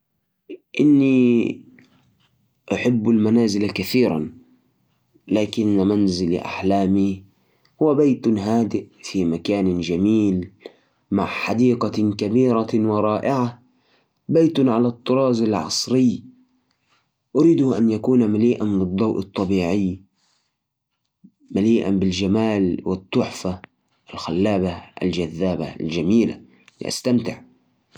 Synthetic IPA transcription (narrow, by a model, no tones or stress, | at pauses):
ʔɪnːi | ʔaħɪbːʊlmanaːzɪlakaθiːɾa̰n | laːkɪnːmanzɪl̰ʔa̰ħlaːmi | hʊwabajt̪ɦaːd̪ɪʔfimakaːnd͡ʒamiːl | maʕħad̪iːqɑkabiːɾawɪɾˤɑːʔɪʕa | bajt̪ʊnʕalat̪ˤːʊɾˤɑːzɪlʕɑ̰sˤɾɪj | ʔʊɾiːd̪ʊʔanjakuːnamaliːʔanbɨd̪ˤːɑwʔɨ̰t̪ˤːɑbiːʕɪj | maliːʔa̰mbɪld͡ʒamaːlwɪt̪ˤːʊħfa | ʔɪlxalːaːbaʔa̰ld͡ʒaðːaːba̰ld͡ʒamiːla̰ | lɪ̰ʔa̰st̪amt̪ɪʕ